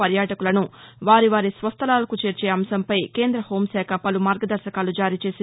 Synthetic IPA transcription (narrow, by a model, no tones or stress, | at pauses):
ɐɾjaːʈɐkulɐnuʋaːɾiʋaːɾisʋɐst̪ʰɐlaːlɐkut͡ʃeːɾt͡ʃeːɐmsɐmpɐjke̞ːnd̪ɾɐho̞ːmsaːkʰɐpɐlumaːɾɡɐd̪ɐɾʃɐkaːlud͡ʒaːɾiːt͡ʃe̞ːsi